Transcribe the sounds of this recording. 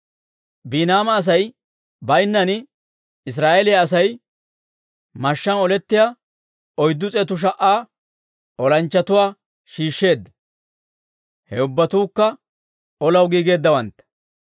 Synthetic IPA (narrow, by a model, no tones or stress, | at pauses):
biːnaːmɐːs̬ɐj | bɐjnːɐnɪ | ɪs̬ɾaːʔelɪjɐːs̬ɐj | mɐʃːɐnɔlɛt̪ːɪja | ɔjd̪ːʊt͡sʼɛt̪ʊʃ̬ɐʔaː | ʔɔlɐnt͡ʃːɐt̪ʊwaː | ʃiːʃːe̞ːd̪ːɐ̥ | hɛʊbːɐt̪uːkːɐ | ɔlɐwɡiːɡe̞ːd̪ːɐwɐnt̪ːɐ̥